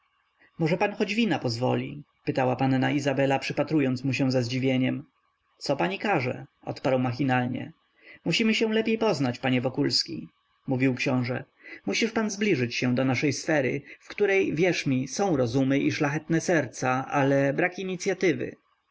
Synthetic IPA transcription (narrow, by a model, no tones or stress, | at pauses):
mɔʐɛpanxɔd͡ʑvʲinapɔzvɔ̰lʲḭ | pɘt̪awapanːaizabɛlapʂɘpat̪ɾujɔnt̪smuɕɛ̃w̃zɛzd͡ʑivʲjeɲɛm | t̪sɔpaɲikaʐɛ̰ | ɔ̰t̪paɾwmaxʲinalɲɛ̰ | muɕimɘɕɛw̃lɛpʲjejpɔznat͡ɕpaɲɛvɔkulskʲḭ | muvʲiwkɕɔ̃w̃ʐɛ̰ | muɕiʂpanzblʲiʐɘt͡ɕɕɛ̃d̪ɔnaʂɛjsfɛɾɘ̰fkt̪uɾɛjvʲjɛʂmʲisɔ̃w̃ɾɔzumɘʔiʂlaxɛt̪nɛsɛɾt̪saʔalɛbɾakiɲit̪sʲjat̪ɘvɘ̰